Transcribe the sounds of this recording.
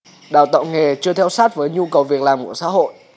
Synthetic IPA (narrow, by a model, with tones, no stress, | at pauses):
ɗa̰ː˨˩wt̪ə̰˧˨ŋ͡mŋe˨˩t͡ɕɨ˧ət̪ʰɛ˧wsaː˦˥t̚vəː˨˦jɲu˧kə˨˩wvi˨˩ək̚laː˨˩mku˧˩əsa̰ː˧˥ɦo̰˧˨jʔ